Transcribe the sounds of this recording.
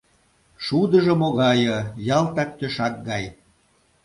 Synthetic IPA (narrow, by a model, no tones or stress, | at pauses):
ʃud̪əʒə̆moɣɑjɤjɑlt̪ɑk̚t̪øʃɑk̚ɡɑj